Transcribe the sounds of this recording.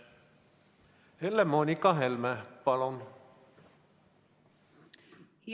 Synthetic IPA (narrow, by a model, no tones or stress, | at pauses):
helːemonikɑɦelmæpɑlon | h